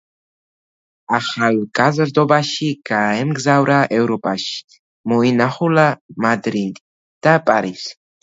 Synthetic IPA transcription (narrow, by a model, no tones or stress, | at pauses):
aχalɡʼazɾd̪ɔbaʃiɡ̥aɛmɡzavɾaʔɛvɾɔpʼaʃi̥ | mɔinaχulamad̪ɾid̪i | d̪̥apʼaɾis